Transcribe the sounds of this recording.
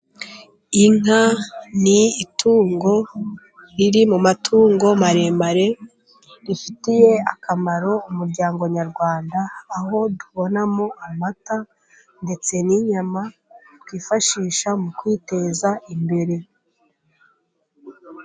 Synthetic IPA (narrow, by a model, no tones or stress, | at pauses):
iŋaniːtʰuːŋɡo̞ | ɾiɾimumatʰuːŋɡo̞maɾe̞ːmbaɾe̞ | ɾifitije̞akamaɾo̞umuɾɟaːŋɡo̞ɲaɾɡwaːndaːho̞duβo̞namo̞amata | nde̞t͡se̞niɲamatwiːfaʃiːʃamukwiːte̞zaimbe̞ɾe̞